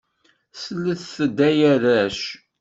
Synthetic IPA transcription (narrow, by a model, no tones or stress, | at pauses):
səlːəθθəd̪æjæðæʃ